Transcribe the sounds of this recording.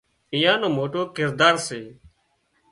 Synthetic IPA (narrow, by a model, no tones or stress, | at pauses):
ɪjãːnõːmoːʈoːkɪɾd̪aːɾseː